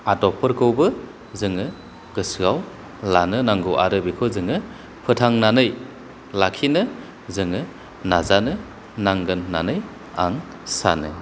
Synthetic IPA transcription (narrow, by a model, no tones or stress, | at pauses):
adɔpʰɯɾkɯwbɯ | zɯŋɯ | ɡ̥ɯsɯɡaw | lanɯnaŋɡɯwʔa̰ɾɯbikʰɔzɯŋɯ | pʰɯtʰaŋnanɯj | lakʰinɯ | zɯŋɯ | nazanɯ | naŋɡɯnːa̰nɯj | a̰ŋ | sa̰nɯ̰